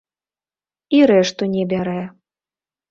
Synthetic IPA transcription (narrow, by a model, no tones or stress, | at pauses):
iɾɛʂt̪unʲɛbʲaɾɛ